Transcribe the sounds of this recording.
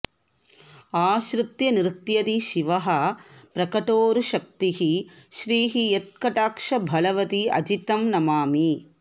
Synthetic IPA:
aːʃɾut̪jɐniɾt̪jɐd̪iʃiʋɐɦɐpɾɐkɐʈoːɾuʃɐk̚t̪iɦiʃɾiːɦijet̪̚kɐʈaːkʂɐbʱɐlɐʋɐt̪iɐ̰d͡ʒit̪ɐmnɐmaːmi

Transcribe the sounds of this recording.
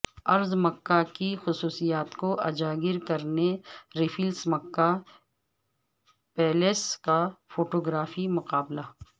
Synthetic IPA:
ɐɾzmɐkːakixʊsuːsijaːt̪koʔɐd͡ʒaːɡɪɾkɐɾneɾɪfʰilsmɐkːa | pɛːleskafoːʈoːɡɾaːfimʊqaːblaː

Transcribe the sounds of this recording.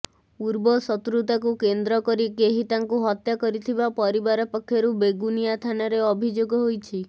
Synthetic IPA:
uɾbɔsɔt̪ɾut̪akukend̪ɾɔkɔɾikeɦit̪aŋkuɦɔt̪jakɔɾit̪ʰibapɔɾibaɾɔpɔkʰjɔɾubeɡunijat̪ʰanaɾeɔbʱid͡ʒoɡɔɦojt͡ʃʰi

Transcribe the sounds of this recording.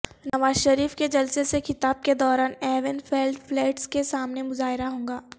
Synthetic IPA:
nɐʋaːzʃɐɾiːfked͡ʒɐlsesexɪt̪aːb̚ked̪ɔːɾaːnɛːʋɪnfɛːlɖflɛːʈskesaːmnemʊzaːɦɪɾaɦõːŋɡaː

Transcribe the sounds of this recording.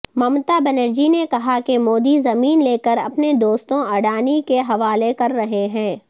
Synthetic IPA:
mɐmt̪abɐnəɾd͡ʒinekɐɦakemoːd̪izɐmiːnleːkəɾɐ̰pned̪oːst̪õɐɽaːnikeɦɐʋaːlekɐɾːɐɦeɦɛ̃ː

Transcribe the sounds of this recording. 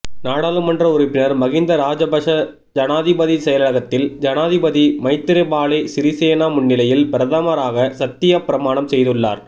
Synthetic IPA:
naːɽaːlɯmɐndrɐʊɾɪpːɪnɐɾmɐɣɪnd̪ɐɾaːd͡ʒɐbɐʂɐ | d͡ʒɐnaːðɪbɐðisɛjɐlɐɭɐɣɐt̪ːɪld͡ʒɐnaːðɪbɐðimɐɪt̪ːɪɾɐɪbaːlesɪɾɪseːnaːmʊɳːɪlɐjɪlbɪɾɐðaːmaːɾaːɣɐsɐt̪ːɪjɐpɪɾɐmaːnɐmsɛjðɯɭːa̰ːɾ

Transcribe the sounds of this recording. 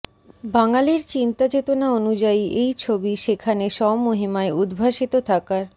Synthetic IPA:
baŋaliɾt͡ɕint̪ad͡ʑet̪onaonud͡ʑaiʔejt͡ɕʰobiʃekʰaneʃɔmoɦimaeud̪bʱaʃit̪ot̪ʰakaɾ

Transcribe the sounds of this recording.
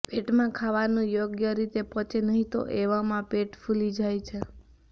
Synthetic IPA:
peʈmãkʰaʋanũjoɡjəɾit̪epɔ̃t͡ʃʰenəɦĩt̪o̰ʔeʋamãpeʈfʰulid͡ʒajt͡ʃʰe

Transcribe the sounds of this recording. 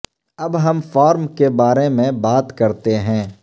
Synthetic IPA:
ɐbɦɐmfɔːɾmkebaːɾemẽbaːt̪kɐɾt̪eɦɛ̃ː

